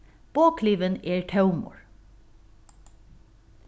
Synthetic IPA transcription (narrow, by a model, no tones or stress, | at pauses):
b̥oːkʰliːʋəneːɹʈʰɑʉmo̰ːɹ